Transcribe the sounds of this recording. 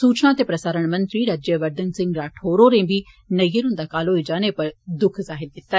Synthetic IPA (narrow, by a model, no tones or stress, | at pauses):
suːt͡ʃnãːt̪eːpɾəsaːɾəɳmənt̪ɾiːɾaːd͡ʒeʋəɾd̪ənsɪ̃ŋɡɾaːʈʰoːɾoːɾẽːbiː | nəijəɾʊ̃nd̪aːkaːloːid͡ʒaːneːpəɾd̪ʊkʰzaːɦɪɾd̪ɪt̪ːaː